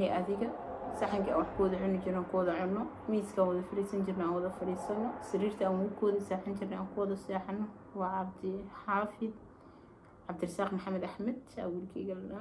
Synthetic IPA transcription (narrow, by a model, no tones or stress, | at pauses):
ɛʔɐðɪɣɐsɐħɐŋkʰa̰wɑħkʰʊwɐðɐʕʊnɪt͡ʃɪɾaːŋkʰʊwɐðɐʕʊnːɔ | miːskʰaːnwɐðɐfɐɾiːsɐnt͡ʃɪrnɛaːnwɐðɐfɐɾiːsɐnɐsɪriːrt̪ʰɐaːnwʊkʰɔwðɐsaːħɐnt͡ʃɪrnɛaːŋkʰʊwɐðɐsaːħɐnɔ | wɑːʕɑb̚d̪ɪħaːfɪd̪ | ʕɑbd̪ɪrɪsaːqmʊħamɛd̪aħmɛd̪̚t͡ʃa̰ːwilkʰɛɡɐl